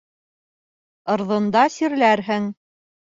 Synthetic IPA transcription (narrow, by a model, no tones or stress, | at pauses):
ɤ̆ɾðŏnd̪ɑsiɾlæɾɦɘŋ